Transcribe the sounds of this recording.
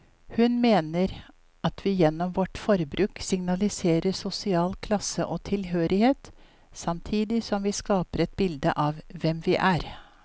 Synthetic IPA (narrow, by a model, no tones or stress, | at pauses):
hʉnmeːnəɾ | ɑt̪ʰʋɪjɛnːɔmʋɔʈfɔɾbɾʉːksɪŋnɑlɪseːɾəsʊsɪɑːlkʰlɑsəʔɔːt̪ʰɪlɦøːɾɪheːt̪ | sɑmt̪ʰiːd̪ɪsɔmʋɪːskɑːpəɾɛt̪̚bɪld̪ə̰ʔɑʋʋɛmʋɪʔæɾ